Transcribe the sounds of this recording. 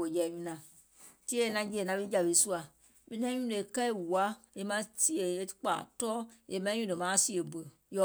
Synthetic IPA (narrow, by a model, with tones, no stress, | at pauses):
o˨jɛ˨ɲũ˧˦nã˨ | ti˦e˦e˧˨nã˧˦d͡ʒi˦ɛ˨nã˧bi˦d͡ʒa˨be˨˦su˦a˨ | mĩ˨˧nã˧˦ɲũ˦le˨kɛ˦i˦˨wu˨a˨˦e˧mã˧˦si˦e˨e˧˦k͡pa̰˨tɔː˦e˨mɛ̃˧˦ɲũ˦˨ə˨mãː˨˦si˦ə˨bə˨ | jɔ˧˨